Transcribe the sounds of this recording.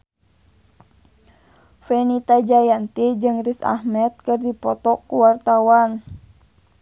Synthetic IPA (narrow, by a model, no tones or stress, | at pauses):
fɛnit̪ad͡ʒajant̪id͡ʒɨŋrisa̰hmɛt̪̚kɨrdipɔt̪ɔkuwart̪awan